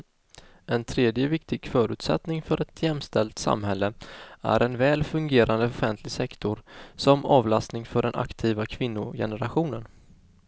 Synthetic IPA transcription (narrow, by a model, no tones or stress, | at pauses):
ɛnt̪ʰɾeːd̪jəvɪkt̪ɪɡ̥fœːɾʉ̟ːt̪sɛt̪nɪŋfœɾʔɛt̪ʰjɛmːst̪ɛlt̪sa̰mhɛlːəæ̰ɾʔɛnvɛːlfɵŋɡeːɾand̪əʊfɛnt̪ʰlɪɡsɛkt̪ʊɾsɔmɑːvlast̪nɪŋfœɖɛnʔa̰kt̪ʰiːvakʰvɪnːʊ̰jɛ̰nəɾaɧuːnən